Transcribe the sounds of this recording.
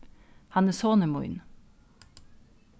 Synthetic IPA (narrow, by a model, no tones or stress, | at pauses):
hɑnəsoːnəmʊ̰ʏ̰n